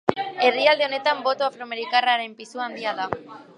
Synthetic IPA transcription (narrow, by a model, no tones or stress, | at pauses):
e̞riald̪e̞o̞ne̞t̪ambo̞t̪oafɾo̞ame̞ɾikaraɾe̞mpisuand̪iaða